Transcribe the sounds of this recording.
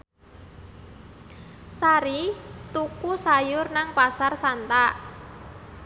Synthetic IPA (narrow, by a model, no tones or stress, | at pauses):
saɾit̪ukusajʊrnaŋpasarsant̪a